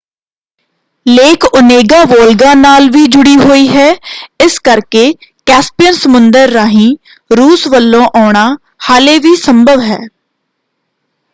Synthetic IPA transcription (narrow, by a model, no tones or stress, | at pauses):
leːkʊneːɡãːʋoːlɡãːnaːlʋiːd͡ʒʊɽiːɦoːiːɦɛːɪskəɾkeːkɛːspijənsəmʊnd̪əɾːaːɦĩː | ɾuːsʋəlːõːʔaːɳ̃aː | haːleːʋiːsəmbʱəʋɦɛ̰ː